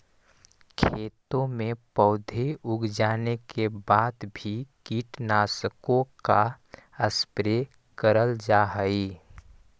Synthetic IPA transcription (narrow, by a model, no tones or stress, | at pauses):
kʰeːt̪õmẽpəʊd̪ʱeʊɡd͡ʒaːnekebaːd̪bʱikiːʈnaːsəkõka | əspɾe | kəɾəld͡ʒaɦəi